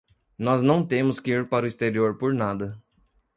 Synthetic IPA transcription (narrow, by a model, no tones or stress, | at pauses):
nɔznɐ̃w̃t̪ẽmʊskɪiɾpaɾʊist̪eɾioɾpoɾnad̪ɐ